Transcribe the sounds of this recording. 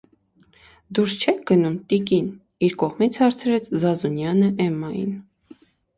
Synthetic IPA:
d̪uɾst͡ʃʰɛk̚ʰɡ̥ənumt̪ikin | iɾkɔʁmit͡sʰhɑɾt͡sʰɾɛt͡sʰzɑzunjɑnəʔɛmːɑjḭn

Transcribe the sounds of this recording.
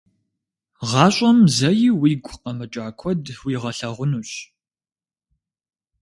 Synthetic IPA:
ʁɑːɕʷʼɐmzɐjiwiːɡʷʼqɐmɨt͡ʃʼaːkʷʰɔdwiːʁɐɬɐʁʷʊnuːɕ

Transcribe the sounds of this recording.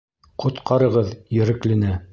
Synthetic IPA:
qʰŏt̪qʰɑɾɤ̆ʁɤðjɘ̆ɾɘ̆klɘ̆nɘ

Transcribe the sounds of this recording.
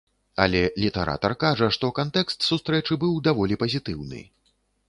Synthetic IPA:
ɐ̰lʲɛlʲit̪ɛɾa̰t̪ɐrkaʐɐʂt̪ɔkant̪ɛkst̪sust̪ɾɛt͡ʂɨbɨwd̪avɔlʲipɐzʲit̪ɨwnɨ̰

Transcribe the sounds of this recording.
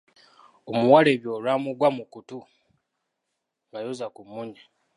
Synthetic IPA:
omuwaleβjo̞ːlwaːmuɡwamukutu | ɡajozakumːuɲa

